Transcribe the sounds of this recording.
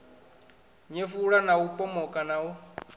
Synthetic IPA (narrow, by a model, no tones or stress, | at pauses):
ɲefuɺanaupʼɔmɔkʼanau